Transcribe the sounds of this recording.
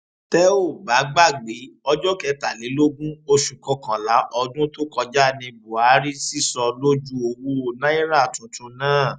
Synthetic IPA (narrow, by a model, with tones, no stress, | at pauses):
tɛ˦o˦˨ba˨˦ɡ͡ba˦˨ɡ͡be˨˦ɔ˧d͡ʒɔ˦kɛ˧ta˨le˨˦lo˦ɡũ˦o˧ʃũ˨kɔ̃˧kã˨la˨˦ʔɔ˧dũ˦to˦kɔ˧d͡ʒa˦˨nĩ˧bu˨a˨˦ɾi˦si˦˨sɔ˧lo˦d͡ʒu˦o˧wu˦o˨nã˦i˦ɾa˦˨tũ˨tũ˧nãː˦˨